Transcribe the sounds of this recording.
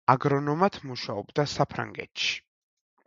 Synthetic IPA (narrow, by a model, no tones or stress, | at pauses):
aɡɾɔnɔmat̪ʰmuʃaɔbd̪asapʰɾa̰ŋɡɛ̰t̪ʃi̥